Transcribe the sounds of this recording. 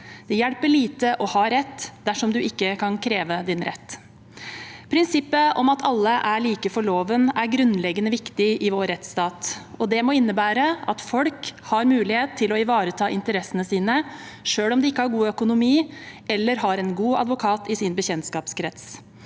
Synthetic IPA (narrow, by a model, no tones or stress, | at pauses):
d̪̥ɛjæɽpəɭiːt̪əʔɔhɑɾɛt̪ːd̪æʂɔmd̪ʉɪkːəkʰɑnkʰɾeːʋəd̪ɪnɾɛ̰t̪ː | pʰɾɪnsɪpːəʔɔmɑt̪ʰɑlːəʔæɭiːkəfɔɭoːʋənæɾɡɾʉnlɛɡənəʋɪkt̪ɪʔɪʋoːɾɛt̪st̪ɑːt̪ɔd̪ɛmɔɪnːəbæːɾəɑt̪fɔlkhɑɾmʉːlɪheːt̪t̪ʰːɪlɔɪʋɑːɾət̪ʰɑːʔɪnt̪əɾɛsːənəsiːnəʂøːɽɔmd̪ɛɪkːəhɑɾɡuːœkʊnʊmiːʔɛlːəɾɦɑɾɛnɡuːɑ̰d̪ʋʊkʰɑːt̪ɪsɪnbəçɛnt̪skɑːpskʰɾɛt̪s